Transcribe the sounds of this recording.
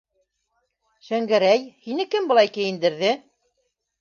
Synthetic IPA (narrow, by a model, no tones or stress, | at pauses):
ʃæŋɡæɾæjhinɘkɘmbɤ̆lˠɑjkɘ̆jɘ̆nd̪ɘ̆ɾðɘ